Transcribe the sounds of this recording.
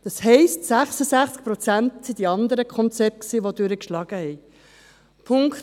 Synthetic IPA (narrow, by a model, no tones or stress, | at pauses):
d̥ɑshɛɪstsæχsəzæχt͡sk̚pɾɔt͡sæntsid̪iɑnd̪əɾəkʰɔnt͡sɛp̚t̚ksiːʋodʉɾəkʃlɑːɡ̥əhɛɪ | pʰʊŋkt